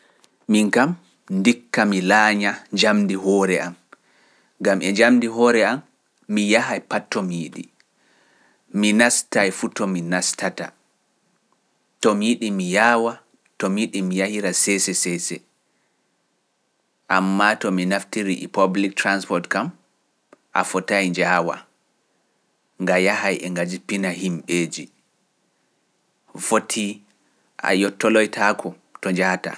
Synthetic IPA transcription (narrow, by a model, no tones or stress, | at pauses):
miŋkam | ndikːamilaːɲaɲd͡ʒamdiɦɔːɾɛʔam | ɡamʔɛɲd͡ʒamdiɦɔɾɛamː | ijaɦajpatːɔmiɗḭ | minastajfutɔminastata | tɔmiɗimijawa | tɔmiɗimijahiɾasɛsɛsɛsɛ | ʔamːatɔminaftiɾiʔɛpablik̚tɾanspɔɾtkam | ʔa̰fɔtajɲd͡ʒaːwa̰ | ŋɡajahajʔɛŋɡad͡ʒipinahimɓeːd͡ʒi | fotʰi | ʔa̰jɔtːɔlɔjtʰakʰɔ | tɔɲd͡ʒata̰